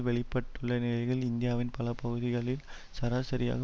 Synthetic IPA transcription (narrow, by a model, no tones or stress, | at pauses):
ʋɛɭɪpːɐʈːɯɭːɐnɪlɐɪɣɐɭɪnd̪ɪjaːʋɪnpɐlɐpɐɣɯðɪɣɐɭɪl | sɐɾaːsɐɾɪja̰ːɣɐ